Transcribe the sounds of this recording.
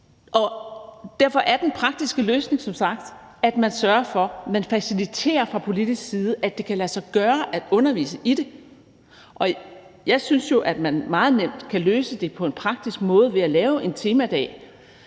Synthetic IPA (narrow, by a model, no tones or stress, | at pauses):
ʔɒ̽d̥æɐfɒ̽ʔæɐd̥enpʰʁɑ̈ɡ̥̚d̥isɡ̥əløːsne̝ŋsɒ̽msɑ̈ɡ̥̚d̥ | æd̥mænsɶɐfɒ̽mænfæsilit͡sʰe̝̰ːɐfʁɑ̈pʰo̝lid̥isɡ̥siːð̞ˠəʔæd̥e̝kʰælæsɑ̈ɪɡ̥ɶːɐʔæd̥ɔ̽nɐʋḭːsəʔid̥e̝ | ʔɒ̽ | jɑ̈ɪsynsjo̝ʔæd̥mænmɑ̈ːð̞̩ˠnem̰d̥kʰæløːsəd̥e̝pʰɒ̽e̝npʰʁɑ̈ɡ̥̚d̥isɡ̥mɔ̽ːð̞̩ˠʋe̝ælɛːʊʔe̝nt͡sʰe̝ːmæd̥ɛ̰ː